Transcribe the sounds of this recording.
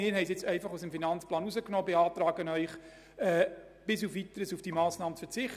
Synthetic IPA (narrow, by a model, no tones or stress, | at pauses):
ɪːɾɦɛɪsɪt͡sɛɪfɑχusəmfinɑnt͡splɑːnuzəknoːbeɑːtɾɑːɡənœʏχ | ɛː | b̥ɪs̬ufʋitəɾəsufd̥imɑːsnɑːmət͡sfəɾt͡sɪχ